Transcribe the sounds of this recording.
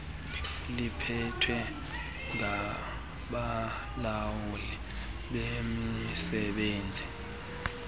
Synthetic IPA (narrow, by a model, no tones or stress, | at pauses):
lipʰɛtʰwɛ | ŋa | ɓa | lawulɛ | ɓemisɛɓeːnd͡zʱi